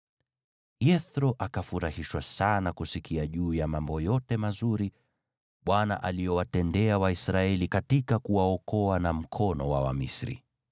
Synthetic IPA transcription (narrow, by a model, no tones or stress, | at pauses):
jɛθɾɔʔakafuɾahiʃwasanakusikʰiaʄuːjamambɔjɔtɛmazuɾi | ɓwana̰ʔaliɔwatɛndɛawaisɾaɛlikatikakuwaɔkɔanam̩kʰɔnɔwawa̰mḭsɾḭ